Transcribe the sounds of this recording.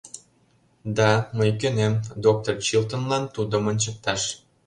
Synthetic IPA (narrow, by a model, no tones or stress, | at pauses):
d̪ɑməjkønemd̪ok̚t̪ort͡ɕilt̪ŏnlɑnt̪ud̪əmənʲt͡ɕə̆k̚t̪ɑʃ